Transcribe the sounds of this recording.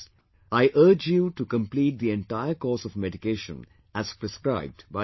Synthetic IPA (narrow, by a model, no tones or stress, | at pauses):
aɪʔəɾd͡ʒjuːʈukə̃mpliːʈ̚d̪iẽɳʈaɪəɾkɔːsɔvmɛɖikeːʃə̰̃n | æz̥pɾɛskɾaɪb̚ɖba